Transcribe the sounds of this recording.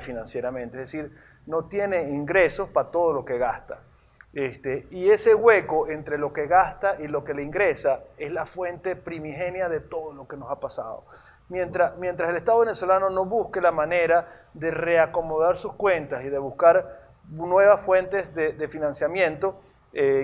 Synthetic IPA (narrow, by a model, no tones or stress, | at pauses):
finãnsje̞ɾamẽnt̪eeðesiɾ | no̞t̪je̞ne̞iŋɡɾe̞so̞spat̪o̞ð̞o̞lo̞ke̞ɣast̪a̰ | est̪eie̞se̞ɣwe̞koe̞nt̪ɾe̞lo̞ke̞ɣast̪aʔilo̞ke̞leiŋɡɾe̞sae̞zlafwe̞nt̪e̞pɾimixe̞njaðe̞t̪o̞ðolo̞ke̞no̞sapasa̰ðo̞̰ | mjent̪ɾamje̞nt̪ɾase̞lest̪aðoeneswe̞lano̞no̞βuskelamane̞ɾa | ðe̞re̞ako̞moð̞aɾsuskwe̞nt̪asiðe̞βuskaɾ | nwe̞β̞asfwe̞nt̪e̞zðed̪efinãnsjamjẽ̞nt̪o̞ | e